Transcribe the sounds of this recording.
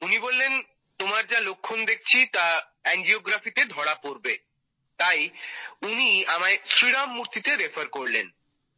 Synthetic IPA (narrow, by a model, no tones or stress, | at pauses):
unibolːen | t̪omaɾd͡ʑalokʰːond̪ek̚ʰt͡ɕʰit̪a | ɛnd͡ʑioɡɾafit̪ed̪ʱɔɽapoɾbe | t̪ajuniamaesɾiɽamːuɾt̪it̪eɾefaɾkoɾlḛn